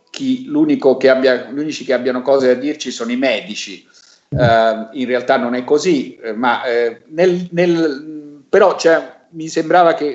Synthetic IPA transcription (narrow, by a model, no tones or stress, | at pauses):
k̟iluːnikokeabːjaʎuːnit͡ʃikeabːjanokɔːzead̪ːirt͡ʃisoːnoimɛːd̪it͡ʃi | inrealt̪anːonɛkːozimanelnel | peɾɔt͡ʃɛ | misembɾaːvake